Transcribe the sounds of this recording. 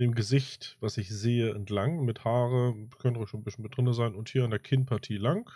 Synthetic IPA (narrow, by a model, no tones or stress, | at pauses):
d̥eːmɡəzɪçtv̥asɪçz̥eːəɛntlaŋmɪthaːʁəkʰœntʁɔʃoːnbɪsçən̩mɪt̚d̥ʁɪnəzaɪnʊnthiːɐandeːɐkʰɪnpʰaɐtʰiːlaŋk